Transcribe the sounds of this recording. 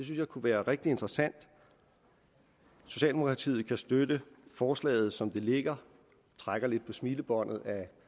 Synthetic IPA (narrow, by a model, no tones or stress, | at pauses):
d̥es̬ynsjɑ̈ɪkʰuʋæːɐʁɛɡ̥̚d̥ie̝nd̥ʁɐsæn̰d̥ | so̝ɕɛ̰ld̥emo̝kʰʁɑ̈t͡sʰḭːð̩ˠkʰæsd̥ød̥əfɒːslɛ̰ːɪð̞̩ˠsɒ̽md̥e̝le̝ɡ̥ɐ | t͡sʰʁaɡ̥ɐle̝d̥̚pʰɒ̽smiːləb̥ɒ̽n̰ð̞̩ˠæ